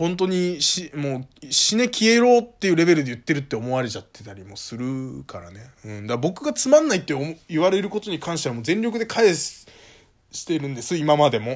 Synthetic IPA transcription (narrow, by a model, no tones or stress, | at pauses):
hõ̞nt̪̬o̞ɲ̟iɕimoːɕine̞kʲʰie̞ɾo̞ːt̪ːe̞jɯ̟ɾe̞be̞ɾɯd̪e̞jɯ̟t̪ːe̞ɾɯ̟t̪ːe̞omo̞aɾe̞t͡ɕat̪ːe̞̥t̪aɾʲimo̞sɨɾɯ̟kʰaɾa̰ne̞ɯ̟̃ɴd̪abo̞kɯ̟ɡat͡sɨmãnːait̪ːe̞oiβaɾe̞ɾɯ̟ko̞t̪o̞ɲ̟ikʰãɰ̃ɕi̥t̪eamoːzẽnʲɾʲo̞k̬ɯ̟d̪e̞kʰaes | ɕi̥t̪e̞ɾɯ̟̃nd̪e̞sɨimamad̪e̞mo̞